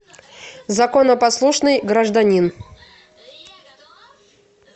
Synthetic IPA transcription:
zɐkonəpɐslˠuʂnɨjɡɾəʐd̪ɐnʲin

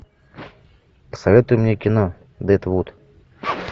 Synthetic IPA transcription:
pə̥sɐvʲet̪ʊjʊmnʲekʲɪno | d̪ɛt̪vut̪

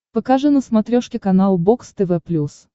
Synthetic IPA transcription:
pɐkaʐɨnəsmɐt̪ɾʲoʂkʲɪkɐnalˠbokst̪ɛvɛplʲus

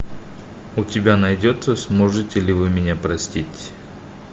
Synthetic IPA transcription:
ʊtʲɪbʲanɐjdʲot̪səsmoʐɨtʲɪlʲɪvɨmʲɪnʲapɾɐsʲtʲitʲ

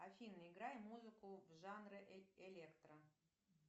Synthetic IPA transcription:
afʲinːɨɪɡɾajmuzɨkʊvʐanrɨelʲekt̪rə

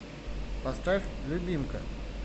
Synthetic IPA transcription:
pɐst̪ɾafʲlʲʊbʲimkə̰

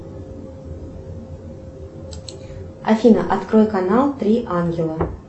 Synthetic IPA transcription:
ɐ̰fʲinə̰ʔɐt̪kɾojkɐnalˠt̪ɾʲiʔanɡʲɪlˠə

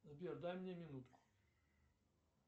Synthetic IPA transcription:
zbʲerd̪ajmnʲemʲɪnut̪kʊ̥

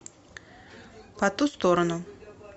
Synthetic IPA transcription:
pɐt̪ust̪oɾɐnʊ

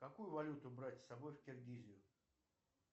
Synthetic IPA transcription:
kɐkujʊvɐlʲut̪ʊbɾatʲsɐbo̞jfkʲɪrɡʲizʲɪjʊ

